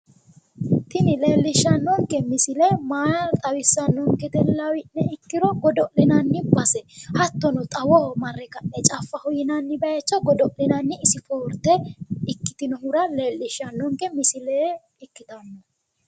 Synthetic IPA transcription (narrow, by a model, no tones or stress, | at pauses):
t̪ɪnɪle̞ːlːɪʃːɐnːɔŋkɛmɪsɪlɛmaːjɐt̪ʼɐwɪsːɐnːɔŋkɛt̪ɛlːɐwɪnːɛɪkːɪɾɔɡɔd̪ɔʔlɪnɐnːɪbɐsɛhɐt̪ːɔnɔt̪ʼɐwɔmɐrːɛkɐnːɛt͡ʃʼafːɐhʊjɪnɐnːɪbɐjɐt͡ʃːɐɡɔd̪ɔʔlɪnɐnːɪɪsɪfoːɾt̪ːɛɪkːɪ̥t̪ɪnɔɦʊɾɐle̞ːlːɪʃːɐnːɔŋkɛmɪsɪleː | ɪkːɪt̪ɐnːɐ